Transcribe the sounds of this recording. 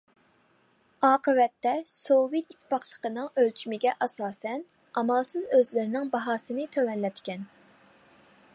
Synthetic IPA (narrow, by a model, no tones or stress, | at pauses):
ɑːqəvɛt̪ːɛsovit̪it̪ʰːpɑχlˠə̥qʰənɨŋølt͡ʃʰymɪɡʲɛʔɑsɑːsɛn | ɑmɑlˠsɨzøzlɪɾɪnɪŋbɑɦɑːsɨnɨt̪ʰøwɛnlɛt̪kʲɛn